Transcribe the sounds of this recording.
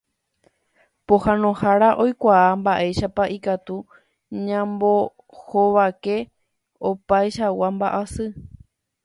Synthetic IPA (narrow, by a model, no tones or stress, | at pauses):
pohãnõhaɾaʔo̞jkʷaambaʔe̞jʃapaʔikat̪u | ɲãmbo̞ | hoʋake̞ | opajʃawambaʔasɨ